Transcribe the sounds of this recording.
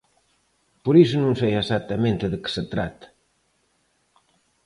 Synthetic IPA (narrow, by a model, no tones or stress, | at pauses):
poɾis̬ʊnũŋsɛjezat̪ːɐmẽnt̪ɪðəkə̥set̪ɾat̪ɐ̥